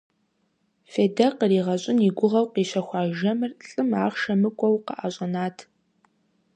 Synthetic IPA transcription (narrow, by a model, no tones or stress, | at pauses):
feːdɐqəriːʁɐɕʼɪniːɡʷʊʁɐwqiːɕɐxʷɑːʒɐmɨrɬʼɨma̰ːχʃɐmɨkʷʼɔwqə̰ʔaːɕʼɐnaːtʰ